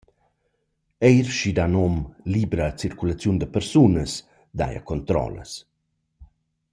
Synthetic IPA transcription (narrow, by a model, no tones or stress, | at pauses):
ejɾʃid̪anɔmlibɾaːt͡siɾkulat͡sjund̪əpəɾsunəs | d̪a̰ja̰kɔnt̪ɾɔ̰lə̰s